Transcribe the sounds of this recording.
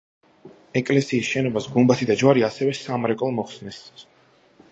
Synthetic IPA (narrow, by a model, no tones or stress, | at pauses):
ɛkʼlɛsiːsʃɛnɔbasɡumbat̪ʰid̪ad͡ʒwaɾiasɛvɛsamɾɛkʼɔlˠmɔχsnɛs